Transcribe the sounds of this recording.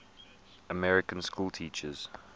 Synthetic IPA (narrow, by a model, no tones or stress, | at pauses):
əmɛɹɪkə̃nskuːlˠtʰiːˑt͡ʃəz̥